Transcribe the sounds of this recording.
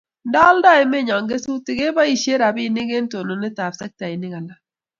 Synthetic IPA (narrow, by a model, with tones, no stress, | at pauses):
ndɔ˦ldɔ˦ɛ˨mɛ˦˨ɲɔ˨ŋɡe˦su˦tɪ˨ɡe˦ba˦i˨ʃe˦ɾa˨bɪ˦˨nɪ˦ɡe˦n˦to˨no˨nɛ˦ta˨bsɛ˦k̚ta˨ɪ˨nɪ˦ɡa˨la˦